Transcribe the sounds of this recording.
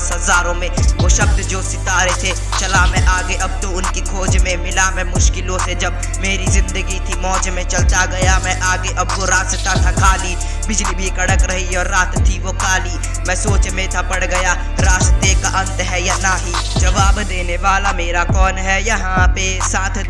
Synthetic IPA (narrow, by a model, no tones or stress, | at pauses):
sɦɐzaːɾõmẽʋoʃɐb̚d̪d͡ʒoːsɪt̪aːɾet̪ʰe | t͡ʃɐlamɛ̃ʔaːɡeʔɐb̚t̪oʊnkikʰoːd͡ʒmẽmɪlamɛ̃mʊʃkɪlot̪ʰed͡ʒɐb | meːɾizɪ̃nd̪əɡit̪ʰimɔːd͡ʒmẽt͡ʃɐlt̪aɡɐjamɛ̃ʔaːɡeʔɐb̚koɾaːst̪at̪ʰakʰaːli | bɪd͡ʒlibʱikɐɽəkɾɐɦiɔːɾːaːt̪t̪ʰːiʋokʰaːli | mɛ̃soːt͡ʃmẽt̪ʰapɐɽɡɐja | ɾaːʃt̪ekaʔɐ̃nt̪ɦɛjanaːɦi | d͡ʒɐʋaːbd̪eːneʋaːlameːɾakɔːnɦɛjɐɦãpe | sãːt̪ʰ